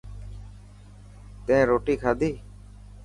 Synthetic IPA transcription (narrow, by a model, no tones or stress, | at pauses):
t̪ẽːɾoːʈiːkʰaːd̪ʱiː